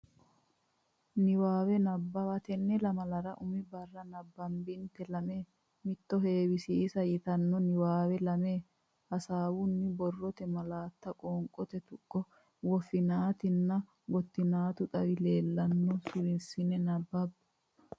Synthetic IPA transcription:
nɪwaːwɛnɐbːɐwɐt̪ɛnːɛlɐmɐlɐɾɐʔʊmɪbɐrːɐnɐbːɐmbɪnt̪ɛlɐme̞ː | mɪt̪ːɔɦe̞ːwɪsiːsɐjɪt̪ɐnːɔnɪwaːwɛlɐmeː | hɐsaːwʊnːɪbɔrːɔt̪ɛmɐlaːt̪ːɐkʼɔːŋkʼɔt̪ɛt̪ʊkʼːɔ | wɔfɪnaːt̪ɪnːɐ | ɡɔt̪ːɪnaːt̪ʊt̪ʼɐwɪle̞ːlːɐnːɔsʊɾɪnsɪnɛnɐbːɐbː

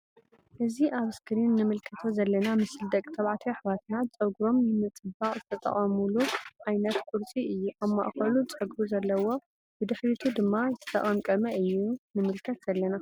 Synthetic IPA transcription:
ʔɨziʔaβɨskʰɨɾinːɨmɨlkʰɐt̪ʰozɐlːɐnamɨsɨld̪ɐkʼt̪ʰɐβʕat̪ʰiħβat̪nat͡sʼɐɡɾo̞mjɨmɨt͡sʼɨbaχʼzɨt̪ʰɐt̪ʼɐ̰χʼɐmuluʕajnɐt̪kʰʼuɾt͡sʼiɨjːuʔaβma̰ʔxɐlut͡sʼɐɡɾuzɐlːɐwo̞ | bɨd̪ɨħɾit̪ʰud̪ɨmːazɨtʰɐ̥t̪ʰɐχʼɐmkʼɐmɐɨjːunɨmɨlkʰɐt̪z̥ɐlːɐna

